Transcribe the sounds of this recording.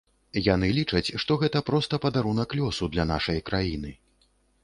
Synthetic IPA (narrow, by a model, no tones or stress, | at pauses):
janɨlʲit͡ʂɐt͡sʲʂt̪ɔɣɛt̪ɐpɾɔst̪ɐpɐd̪aɾunɐklʲɔsud̪lʲana̰ʂɐjkɾajinɨ